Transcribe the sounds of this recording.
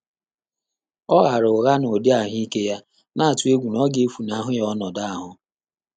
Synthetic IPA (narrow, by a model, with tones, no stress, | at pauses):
ɔ˦ɣa˨ɾʊ˨ʊ˨ɣa˦no˨dɪ˦a˨ɦi˦ke˦ja˦ | na˦a˨tu˦e˦ɡʷu˨nɔ˦ɡe˦fu˨na˨ɦʊ˦jɔ˦nɔ˨da˦˨a˨ɦʊ˨